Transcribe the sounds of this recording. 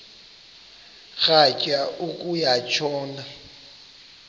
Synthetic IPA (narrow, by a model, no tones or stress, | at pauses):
ɣacʼaukʼujat͡ʃʰɔːnda